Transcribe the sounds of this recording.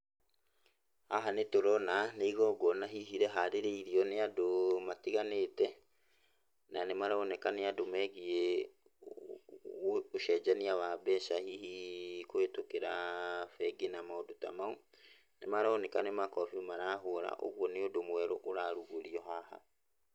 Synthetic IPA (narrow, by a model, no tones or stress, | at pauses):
haɦanetoɾɔnaneiɣɔːɡɔnaɦiɦiɾɛɦaɾeɾeiɾiɔneadomatiɣanetɛ | nanemaɾaonɛkaneadomɛɣie | oʃɛd͡ʒaniaβabɛʃahihikoetokeɾafɛɡenamaodota̰mau | nemaɾaonekanemakɔfimaɾaːɦoɾa̰ʔo̰ɣwɔneodomwɛɾoʔoɾaɾuɣoɾiɔɦaha̰